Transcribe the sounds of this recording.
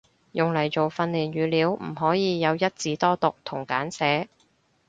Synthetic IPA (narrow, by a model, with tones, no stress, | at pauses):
jʊ˨ŋlɐ˨˩jt͡so˨wfɐ˧nliː˨˩nɥyː˨˩liː˨˧˥wm̩˨˩ɦɔː˨˥jiː˨˧jɐ˨˧wjɐ˥t̚t͡siː˨˧t̪ɔː˥t̪ʊ˨k̚t̪ʰʊ˨˩ŋkaː˨˥nsɛː˨˥